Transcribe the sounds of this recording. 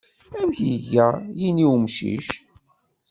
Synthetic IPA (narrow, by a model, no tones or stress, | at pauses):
æmçjʝæjiniwmʃḭʃ